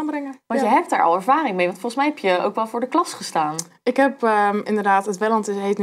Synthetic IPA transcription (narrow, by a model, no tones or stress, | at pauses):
aːnbrɪŋəʋɑnjəɦɛp̚daːɹʔɑ̰lˠɛɹvaːɾɪŋmejʋɑntfolˠχsmɛjɦɛpjəo̰wkʋɛlˠvʊːɹdəklɑsχəstaːn | ɪkɦɛpəɪndədaːtətʋɛlɑntɪsɦetn